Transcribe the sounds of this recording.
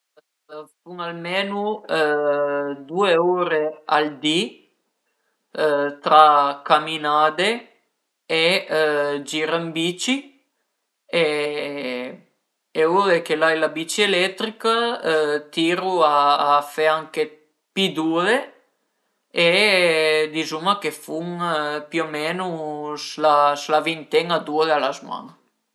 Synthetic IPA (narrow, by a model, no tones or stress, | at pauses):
fuŋalmeːnu | d̪uːeuːɾeald̪i | t̪ɾakaminaːd̪e | e | d͡ʒiɾambiːt͡ʃi | e | ewoðekelajlabit͡ʃielɛt̪ɾikat̪iɾuafeaŋke | pid̪uðe | e | d̪izumakefuŋpiomɛnuslaslavint̪ɛŋad̪uðealazma̰ŋ